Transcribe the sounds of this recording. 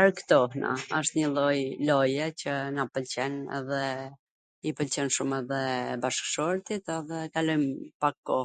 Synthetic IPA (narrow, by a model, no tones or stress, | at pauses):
aɾkt̪ɔhna̰əʃt̪ɲəlˠɔjlɔjɛt͡ɕənapəlt͡ɕɛnɛ̰ðɛ | ipəlt͡ɕɛnʃumɛðɛbaʃkʃɔɾt̪it̪ɛðɛkalɔjmpakːɔ